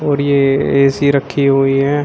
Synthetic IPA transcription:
ɔːɾjeeːsiɾəkʰːiɦuiɦɛ̃ː

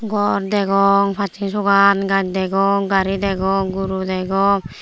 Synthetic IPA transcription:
ɡɔɾd̪ɛɡɔŋpʰat͡ʃinsʰoɡanɡaɲd̪ɛɡɔŋɡaɾid̪ɛɡɔŋɡuɾud̪ɛɡɔŋ

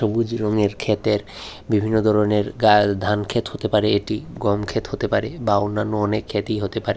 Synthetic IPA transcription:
ʃobud͡ʑɾoŋeɾkʰet̪eɾ | bibʱinːod̪ʱɔɾoneɾɡad̪ʱankʰet̪hot̪epaɾeeʈiɡɔmkʰet̪hot̪epaɾebaonːanːoɔnekʰːet̪ijɦot̪epaɾe

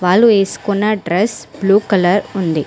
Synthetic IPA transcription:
ʋaːlueːskunːɐɖɾɛsb̥luːkɐlɐɾʊnd̪i

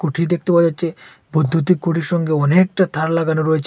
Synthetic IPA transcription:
kuʈʰid̪ek̚t̪epabd͡ʑatːt͡ʃʰe | bod̪ʱːut̪ikuʈiɾʃɔŋɡeɔnek̚ʈat̪ʰaɾlaɡanoɾɔet͡ɕʰ

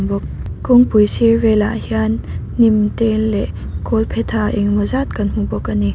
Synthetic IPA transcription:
ŋbɔk̚kɔŋpujsiɾɛla̰ʔhianː | imtelːɛʔ | kɔlpʰet̪ʰaʔiŋmɔzat̚kanm̥ubɔkani

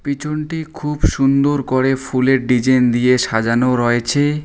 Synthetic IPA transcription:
pit͡ɕʰoɳʈikʰubʃund̪oɾkoɾefʰuleɾɖid͡ʑend̪ijeʃad͡ʑanoɾɔet͡ɕʰe

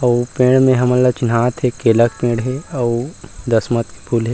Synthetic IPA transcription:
ɐpẽːɽmẽɦɐməlːat͡ʃɪnɦaːt̪ɦɛkeːlək̚pẽːɽɦɛɐwd̪ɐsmət̪ke̥pʰuːlɦɛː

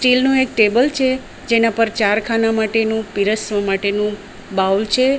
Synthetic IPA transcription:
sʈilnũek̚ʈebəlt͡ʃʰe | d͡ʒenapəɾt͡ʃaɾkʰanamaʈenũpiɾəsʋəmaʈenũ | bawlt͡ʃʰe

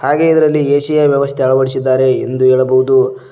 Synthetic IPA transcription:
haːɡe̞id̪ɐɾɐlːieːʃijɐʋjɐʋɐst̪ʰeɦɐɭɐʋɐɽis̬id̪ːaːɾe̞ːnd̪ueːɭɐbɐɦud̪u

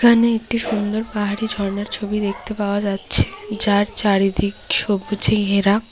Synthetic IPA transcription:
kʰaneek̚ʈiʃund̪oɾpaɦaɾid͡ʑʱɔɾneɾt͡ɕʰobid̪ek̚ʰt̪epaoad͡ʑatːɕʰe̥d͡ʑaɾt͡ɕaɾid̪ikʃobʱːot͡ɕʰeɦeɾa

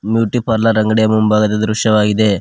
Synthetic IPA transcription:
mjuːʈːipɐɾlɐɾɐŋɡɐɽɐjɐmumbaːɣɐt̪ːɐd̪ɾuʂjɐʋaːɣiðeː

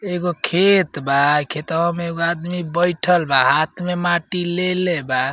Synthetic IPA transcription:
eɡokʰet̪bakʰet̪ɦəmeɡoad̪mibəjʈʰəlbaɦat̪ʰmemaʈileleba

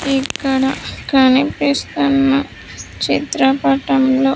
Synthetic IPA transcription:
ikːɐɽɐkɐnipist̪unːɐ | t͡ʃit̪ɾɐpɐʈɐmlo̞ː

